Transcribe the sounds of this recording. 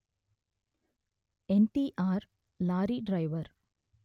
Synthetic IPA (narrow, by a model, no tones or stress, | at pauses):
ɛnʈiʔaːɾ | laːɾiɖɾɐɪʋɐɾ